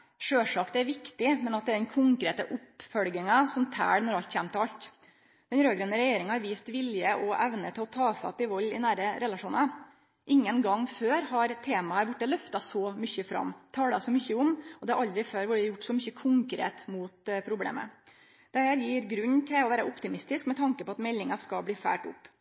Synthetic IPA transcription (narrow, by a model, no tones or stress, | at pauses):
ʂøːʂɑkd̪ɛæɾʋɪkt̪ɪmɛnɑt̪̚d̪ɛæɖɛnkʰʊŋkɾeːt̪əʔʊpːfœlɡɪŋɑsɔmt̪ʰæ̰ːɽnɔɾɑlt̪çæːmt̪ʰəɾɑlt̪ | d̪̥ɛnɾøːɡɾənəɾɛjeːɾɪŋəhɑɾʋiːst̪ʋɪljəʔɔʔæʋnət̪ʰɪlɔt̪ʰɑːfɑ̰t̪ːɪʋɑlːɪ̰næːɾəɾɛlɑʂuːnɑ | ʔɪŋːənɡɑŋføːɾhɑɾt̪ʰeːmɑæɾbʊʈːəlœft̪ɑsɔmʏçəfɾɑ̰mːt̪ʰɑːɽɑsɔmʏçəʊmɔd̪ɛæɾʔɑld̪ɾɪføːɾʋʊɖɪjʊʈːsɔmʏçːəkʰʊŋkɾḛːt̪muːt̪pʰɾʊblḛːmə̰ | d̪̥ɛhæːɾjiːɾɡɾʉnːt̪ʰɪlɔʋæːɾəʔʊpt̪ɪmɪst̪ɪskmɛt̪ʰɑŋkəpɔɑt̪mɛlːɪŋɑskɑbliːfæ̰ːʈʊ̰pː